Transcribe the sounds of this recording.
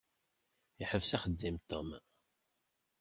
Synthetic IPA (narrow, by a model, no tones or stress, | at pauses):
iħəvsæχəd̪ːimt̪om